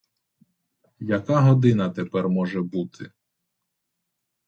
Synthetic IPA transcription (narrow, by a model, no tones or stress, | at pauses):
jɐkaɦɔd̪ɪnɐt̪epɛrmɔʒɛbut̪ʰɪ̰